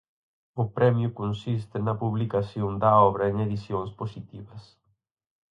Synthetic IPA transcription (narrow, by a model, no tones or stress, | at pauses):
ʊpɾɛmjʊkonsist̪ɪnɐpuβlikaθjond̪ɐɔβɾɐeŋeðiθjoŋsposit̪iβɐs